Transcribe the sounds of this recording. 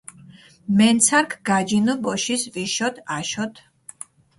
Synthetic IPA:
mɛnt̪sʰaɾkʰɡ̥ad͡ʒinɔbɔʃisviʃɔt̪ʰaʃɔt̪ʰ

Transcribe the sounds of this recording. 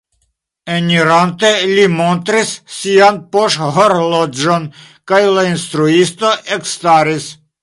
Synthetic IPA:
eniɾant̪e̞limont̪ɾisːianpoʃhoɾlod͡ʒon | kajlainst̪ɾuist̪o̞ʔekst̪aɾis

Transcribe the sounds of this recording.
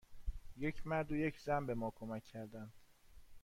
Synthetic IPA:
jecʰmæɾd̪ujecʰzænbe̞mɒːkʰomæcʰːæɾd̪ænd̪̥

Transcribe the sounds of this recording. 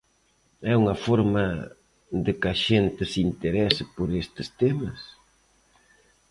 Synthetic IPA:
ɛuŋɐfɔɾmɐ | d̪ɪkɐʃent̪ɪsint̪eɾɛsɪpoɾest̪ɪst̪emɐs

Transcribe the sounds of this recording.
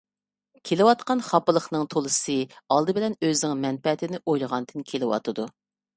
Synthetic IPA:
kʲʰelɪwɑt̪qɑnχɑpɨlˠəχnɨŋt̪ʰolˠɨsɨɑlˠd̪ɨbɪlɛnøznɪŋmɛnpɛt̪ʰɪnɪʔojlˠəʁɑnd̪ɨnkʲʰelɪwɑ̰t̪ʰɨd̪u

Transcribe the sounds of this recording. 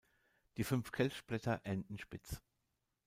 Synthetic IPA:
d̥iːfʏnfkʰɛlçʃplɛtʰɐʔɛndn̩ʃpɪt͡s

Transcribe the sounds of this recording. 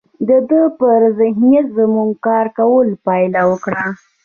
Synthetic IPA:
d̪əd̪əpəɾzɪhnjat̪zəmuŋɡkɑɾkawəlpɑjlawəkɽa

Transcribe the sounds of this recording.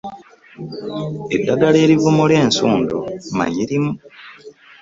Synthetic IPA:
e̞dːaɡale̞ːɾivumuleːnsuːndo̰ma̰ɲiɾimu

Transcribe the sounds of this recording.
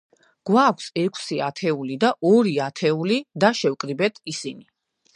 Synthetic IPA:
ɡ̥wakʰsɛkʷʰsiat̪ʰɛulid̪aʔɔɾiat̪ʰɛulid̪aʃɛwkʼɾibɛt̪ʰisini

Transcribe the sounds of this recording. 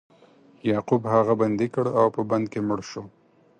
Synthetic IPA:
jɑqubhaɣaband̪ekəɽawpəband̪̚kemʊɽʃo

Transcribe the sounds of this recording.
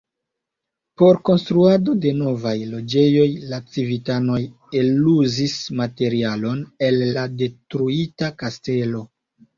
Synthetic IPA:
poɾko̞nstɾuado̞de̞no̞vajlo̞d͡ʒe̞jo̞jlat͡sivitano̞j | eluzismate̞ɾialo̞ne̞lːade̞tɾuitakaste̞lo̞

